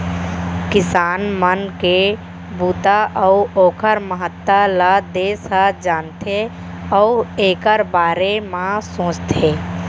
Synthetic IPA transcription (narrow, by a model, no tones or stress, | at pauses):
kɪsaːnmənke | buːt̪aʔɔuoːkʰəɾməɦət̪ːalad̪eːsad͡ʒaːnt̪ʰe | ɔeːkəɾbaːɾemãsõːt͡ʃt̪ʰeː